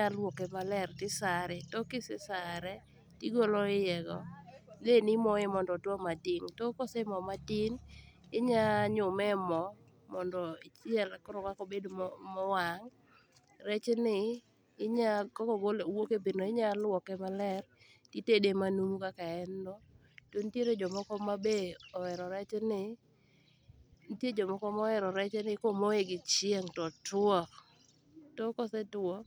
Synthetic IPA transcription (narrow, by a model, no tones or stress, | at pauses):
ɲalwɔkɛmalɛrtɪsaɾɛtɔkɪsɪsaɾɛ | tiɡoloɪjɛɡɔ̰lenɪmɔemɔndɔdwɔmadɪŋtɔkɔsɛmɔmatin | ɪɲaɲʊmɛmɔ | mɔndɔit͡ʃjɛlkɔɾɔkakobedommɔwaŋ | rɛt͡ʃnɪː | ɲakɔkɔɡolwokepɪnɔɪɲalwɔkɛmalɛr | titedemanumukakaɛnːɔ | tontjeɾed͡ʒɔmɔkɔmabeɔwɛɾɔɾɛt͡ʃnɪ | nitjed͡ʒɔmɔkɔmɔɛɾɔɾɛt͡ʃɛnɪkomoeɡɪt͡ʃjeŋtɔtɔ | tɔkɔsɛtɔ